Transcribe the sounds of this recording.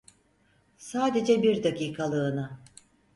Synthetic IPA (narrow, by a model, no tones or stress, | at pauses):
saːd̪e̞d͡ʒɛbiɾd̪aciːkʰalˠɯːnɯ